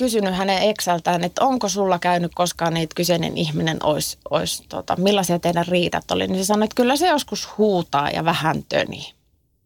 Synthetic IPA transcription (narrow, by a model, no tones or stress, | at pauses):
kysynyhæneeksælt̪æːnet̪oŋkosulːɑkæynykkoskɑːniːt̪kysenḛnihminḛno̰isʔo̰ist̪ot̪ɑ̰milːɑsiɑt̪eidærriːt̪ɑt̪ːo̰lḭnisesɑnoet̪kylːæsejoskushuːt̪ɑ̰ːjɑ̰ʋæhænt̪ø̰nḭ